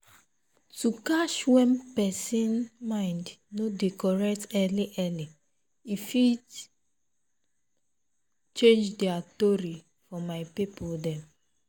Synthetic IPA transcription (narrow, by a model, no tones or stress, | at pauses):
tukaʃwɛ̃mpɛsĩnmãɪ̃ndnodekɔɹɛktɛliʔɛli | ifi | t͡ʃẽnd͡ʒdɛatoɹi | fɔmaɪpipɔdɛ̃m